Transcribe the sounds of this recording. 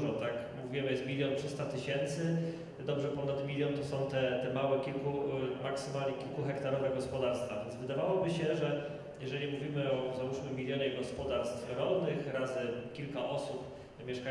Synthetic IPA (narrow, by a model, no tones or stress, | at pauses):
ʐɔt̪akmuvʲijɛmjɛst̪mʲilʲjɔntʂɘst̪at̪ɘɕɛnt̪sɘ | d̪ɔbʐɛpɔnad̪mʲilʲjɔnt̪ɔsɔ̃w̃t̪ɛt̪ɛmawɛkʲilkumaksɘmalɲɛkʲilkuxɛkt̪aɾɔvɛɡɔspɔd̪aɾst̪favʲjɛnzvɘd̪avawɔbɘɕɛʐɛ | jɛʐɛlʲimuvʲimɘɔzauʂmɘmːʲilʲjɔɲɛɡɔspɔd̪aɾst̪fɾɔlnɘxɾazɘkʲilkaʔɔsup | mʲjɛʂka